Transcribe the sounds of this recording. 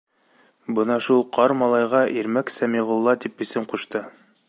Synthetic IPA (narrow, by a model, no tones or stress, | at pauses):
bɤnɑʃulˠqʰɑɾmɑlˠɑjʁɑʔiɾmæksæmiʁulˠːɑt̪ipɵ̆sɘmquʃt̪ɤ